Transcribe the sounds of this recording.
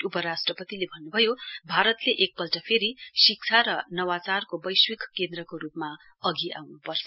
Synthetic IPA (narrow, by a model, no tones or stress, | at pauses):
upʌɾasʈrʌpʌt̪ilebʱʌnːubʱʌjobʱaɾʌt̪leʔek̚pʌlʈʌpʰeɾisik̚t͡sʰaɾʌnʌwat͡sarkobʌjswikkːend̪rʌkoɾupma | ʌɡiʔa̰wnupʌrt͡sʰʌ